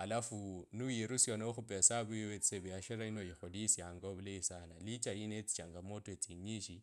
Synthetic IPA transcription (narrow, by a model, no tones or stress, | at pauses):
alafunuiɾusjɔnauxʊpɛsaβuoet͡si̥sebɛaʃɛɾainojiχodisjaŋɡoβuleisanalit͡ʃʼainet͡si̥t͡ʃaŋɡamotɔet͡siɲiʃi